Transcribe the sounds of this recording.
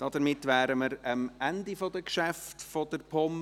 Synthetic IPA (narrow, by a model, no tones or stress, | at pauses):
d̥ɑd̪əɾmɪtʋæːɾəməɾəmænd̪ifɔd̪əkʃæftfɔd̥̪əɾpʰɔm